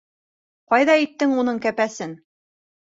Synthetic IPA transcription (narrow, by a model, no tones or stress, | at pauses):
qɑjðɑit̪ːɘŋunɤɴkæpæsɘn